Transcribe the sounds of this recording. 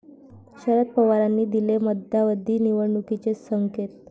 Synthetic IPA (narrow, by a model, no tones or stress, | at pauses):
ɕəɾət̪̚pəʋaɾanːiːd̪ileməd̪ʱjaʋəd̪ʱːiːniʋəɽɳukit͡sesəŋket̪̚